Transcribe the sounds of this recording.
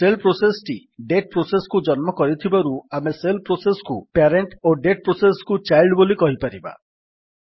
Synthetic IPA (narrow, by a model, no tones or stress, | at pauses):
selpɾosesʈi | ɖeʈ̚pɾoseskud͡ʒɔnmɔkɔɾit̪ʰibaɾuameselpɾoseskupeɾeɳʈoɖeʈ̚pɾoseskut͡ʃajlɖbolikɔɦipaɾiba̰